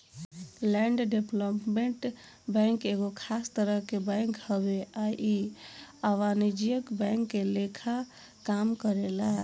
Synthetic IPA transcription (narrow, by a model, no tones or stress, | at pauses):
lɛɳɖɖeplopmeɳʈ | bə̃ŋkeɡokʰast̪əɾəɦkebɛ̃ŋkhəbeajʔi | aʋanid͡ʒijəkbɛ̃ŋkːelekʰa | kamkəɾela